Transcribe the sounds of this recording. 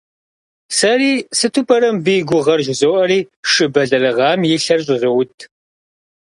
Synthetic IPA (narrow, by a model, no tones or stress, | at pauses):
sɐriːsɨtʰupʰʼɐɾɐmbiːɡʷʊʁɐrʒʷɪzowʔɐɾiːʂɨbɐɮɐrɨʁɑːmjɪɬɐrɕʼɪʒɪwʊtʰ